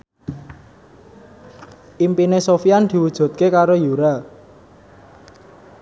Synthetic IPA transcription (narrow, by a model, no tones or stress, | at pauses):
ʔimpinesofiand̪̥i̤wud̥ʒ̥ṳt̪̚kekaɾojuɾa